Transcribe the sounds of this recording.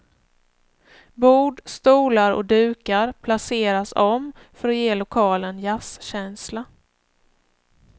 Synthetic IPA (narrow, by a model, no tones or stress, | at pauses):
buːɖst̪uːlaɾɔ̰d̪ʉ̟ːkaɾpʰlaseːɾasɔm | fœɾɔjeːlʊkʰɑːlənjasɕɛnsla